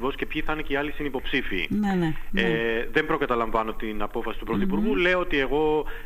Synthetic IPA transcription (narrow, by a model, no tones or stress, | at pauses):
vo̞scepçiθɐneciɐlisinipo̞psifḭːnneeðe̞mbɾo̞kɐt̪ɐlɐɱvɐno̞t̪inɐpo̞fɐsi̥t̪upɾoθipuɾɣule̞oot̪ie̞ɣo̞